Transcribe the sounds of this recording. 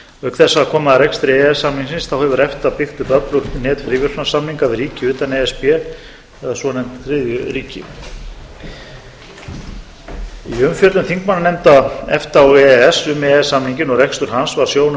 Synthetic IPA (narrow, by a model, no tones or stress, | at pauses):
œkθɛsːaakʰɔːmaðɾɛkst̪ɾɪɛɛsːamniŋsɪnsθawhɛvʏɾɛft̪apɪxt̪ʏpœplʏɾt̪nɛːt̪fɪɾivʏɾ̥asamniŋkavɪrɾiːcɪʏːt̪anɛːɛspɛ | ɛðasɔnɛmt̪θɾɪðjʏɾiːcɪ̰ | iʏmfjœt̪lʏmθiŋkmananɛmt̪aɛft̪aɔɣɛɛsʏmɛɛsːamniɲcɪnɔɣɾrɛkst̪ʏɾ̥hansvaɾ̥sjoːwn